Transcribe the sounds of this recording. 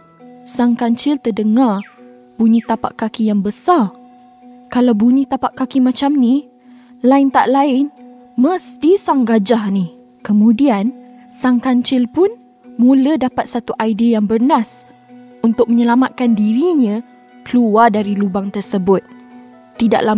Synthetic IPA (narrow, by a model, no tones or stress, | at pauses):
saŋkaɲt͡ʃɪlt̪ərdəŋar | buɲĩt̪apa̰ʔkːakijaŋbəsar | kalawbuɲĩt̪apaʔkakimat͡ʃamni | laɪnt̪aʔlaɪn | məst̪isaŋɡad͡ʒahni | kəmũdian | saŋkaɲt͡ʃɪlpʊn | mulədapat̪̚sat̪uʔajdiajaŋbərnas | unt̪ʊk̚məɲəlamat̪̚kandiɾiɲã | kəluardaɾilubaŋt̪ərsəbʊt̪̚ː | ida̰ʔla